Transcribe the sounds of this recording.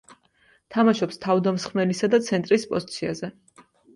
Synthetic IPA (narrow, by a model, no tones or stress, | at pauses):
t̪ʰamaʃɔpst̪ʰavd̪amsχmɛlisad̪at̪sʰɛnt̪ʼɾispʼɔzit̪sʰiazɛ